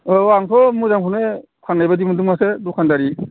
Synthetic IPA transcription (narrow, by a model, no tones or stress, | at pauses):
waŋsʰɔmuzaŋkʰune | kʰanlajbadimaduŋasedukʰandaɾi